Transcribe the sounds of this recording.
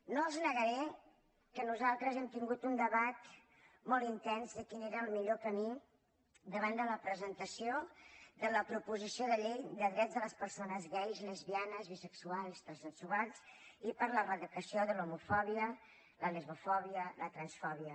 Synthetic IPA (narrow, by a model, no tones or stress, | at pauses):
noəlˠznəɣəɾɛ | kənuzalˠt̪ɾəzɛmt̪iŋɡut̪und̪əβat̪ | mɔlˠt̪int̪ɛnzðəkineɾəːlˠmiʎokəmi | d̪əβand̪ələpɾəzənt̪əsiod̪ələpɾupuzisioðəʎejd̪əðɾɛzðələspəɾsonəzβɛjzləzβianəzβisəksualˠsd̪əlˠzənsuɣasipəɾlərəðəkəsioðəlumufɔβiə | ləlizmufɔβ̞iələt̪ɾənsfɔβiə